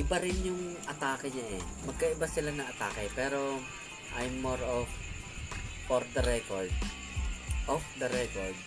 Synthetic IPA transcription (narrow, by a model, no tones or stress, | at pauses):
ʔɪbaɾɪnjʊŋʔɐt̪aːkɐɲaʔɛ | mɐɡ̚kɐʔɪbasɪlanɐŋɐt̪a̰ːkɐjpɛːɾo | ʔajmːoɹof | foɾd̪ɐɾɛkoɹd̪̚ | ʔɔfd̪ɐɾɛkoɹd̪̚